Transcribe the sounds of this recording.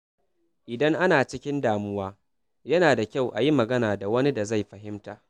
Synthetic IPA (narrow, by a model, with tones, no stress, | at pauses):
ʔɪ˨dɐ˦ŋʔa˦naː˨t͡ʃɪ˦kʲɪ˦ndaː˨mʊ˦waː˦ | jɐ˦naː˨da˨kʲa˦˨wʔa˨ji˦mɐ˨ɡɐ˦naː˨da˨wɐ˦ni˦da˨za˦˨jɸɐ˨ɦɪ˦mtaː˨